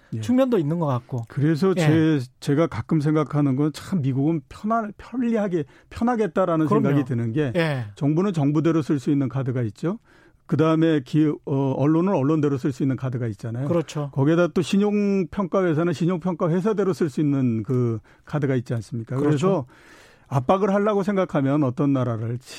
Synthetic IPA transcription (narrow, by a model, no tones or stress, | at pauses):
jet͡ɕʰuŋmjʌndoinːɯnɡʌk͈ak̚k͈okɯɾe̞s̬ʰʌet͡ɕe̞ɡakak͈ɯms̬ʰe̞ŋɡakʰanɯnɡʌnt͡ɕammiɡuɡɯnpʰjʌnapʰjʌʎːiɦaɡe | pʰjʌnɦaɡe̞t̚t͈aɾanɯnʰeŋɡaɡitɯnɯnɡe̞jt͡ɕʌŋbunɯnt͡ɕʌŋbude̞ɾosʰɯɭs͈uinːɯnkʰadɯɡait̚t͡ɕ͈o | kɯdaɯme̞kiʌʌɭːonɯɾʌɭːonde̞ɾosʰɯɭs͈uinːɯnkʰadɯɡait̚t͡ɕ͈anajoɾt͡ɕʰokʌɡidat͈oɕʰiɲoŋpʰjʌŋk͈awe̞s̬ʰanɯnɕʰiɲoŋpʰjʌŋk͈aɸwe̞sʰadeɾosʰɯɭs͈uinːɯnkɯ | kʰadɯɡait̚t͡ɕ͈ians͈ɯmɲik͈akɯɾes̬ʰʌ | ap̚p͈aɡɯɭɦaɭːaɡosʰe̞ŋɡakʰamjʌnʌt͈ʌnːaɾaɾɯɭ